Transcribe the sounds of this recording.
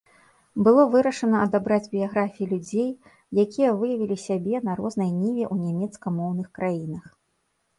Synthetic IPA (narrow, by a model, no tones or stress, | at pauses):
bɨlˠɔvɨɾɐʂɐnɐɐd̪abɾad͡zʲbʲijaɣɾafʲijilʲud͡zʲej | jakʲijɐvɨjɐvʲilʲisʲabʲɛnɐɾɔznɐjnʲivʲɛʔunʲamʲɛt̪skɐmɔwnɨxkɾajinɐx